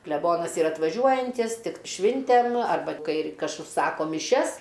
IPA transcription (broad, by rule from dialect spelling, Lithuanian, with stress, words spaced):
klʲɛˈboːnɐs ˈiːrɐ ɐtʋɐˈʒʲuɔjɛnʲtʲiːs ˈtʲɪk ˈʃʲʋʲɪnʲtʲɛm ɐrˈbɐ ˈkɐɪ ɪr ˈkɐs ʊʃˈsɑːkoː mʲɪˈʃʲɛs